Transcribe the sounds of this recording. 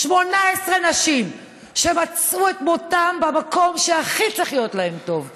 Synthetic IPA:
ʃmo̞naesʁenaʃim | ʃemat͡suetmotambemako̞mʃeaχit͡siχjo̞tlae̞mto̞v

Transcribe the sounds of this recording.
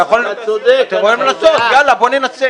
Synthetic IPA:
jaχolt̪eoimlasot̪ɡalaboninase

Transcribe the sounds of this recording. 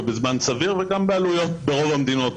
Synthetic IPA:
bezmansaviʁveɡambealujo̞t̪be̞ʁo̞vamd̪ino̞t

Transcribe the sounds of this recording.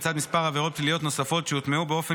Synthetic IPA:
t͡sad̪mispaʁhaveʁo̞t̪̚plilijo̞t̪no̞safo̞tʃejut̪meubeo̞fe

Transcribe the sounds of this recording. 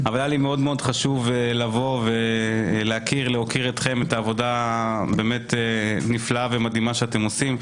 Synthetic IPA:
avaljalime̞o̞d̪meo̞d̪χaʃuvlavo̞veleakiʁleɦo̞kiʁet̪χe̞metaːvo̞dabe̞ːme̞t̪eniflaavemad̪imaʃeat̪e̞mo̞sim

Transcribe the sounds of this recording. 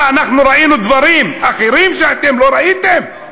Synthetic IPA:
anaχnuɾainud̪vaɾimaχeɾimʃeat̪emlo̞ɾait̪e̞m

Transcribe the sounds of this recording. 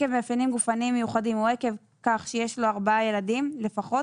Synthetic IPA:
evmeafanimɡufanimːejuχadimueke̞v | kaχʃejeʃlo̞aʁbaaje̞ladimle̞faχo̞

